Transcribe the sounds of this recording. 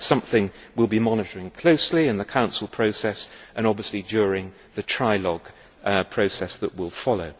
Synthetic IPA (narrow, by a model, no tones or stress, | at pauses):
sʌ̃mθɪ̃ŋwɪlˠbimɒnɨɾəɹɪ̃ŋkʰl̥oʊsliɨ̃nðəkʰãʊ̃nsl̩ˠpʰɹ̥oʊsɛsʔə̃ñɒbviəslid͡ʒjɔːɹɪ̃ŋ | ðɨtʰɹ̥aɪlɒɡ̥ | pʰɹ̥oʊsɛsðəʔwɪlˠfɑloʊ